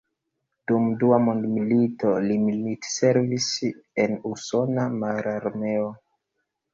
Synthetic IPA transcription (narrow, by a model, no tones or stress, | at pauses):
dumduamondmilito̞limilitse̞ɾvisenuso̞namaɾaɾme̞o